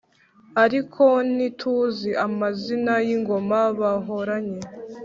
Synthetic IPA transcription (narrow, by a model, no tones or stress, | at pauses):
aɾikʰo̞nitʰuːziʔamazinajiŋɡo̞maβaɦoɾaɲe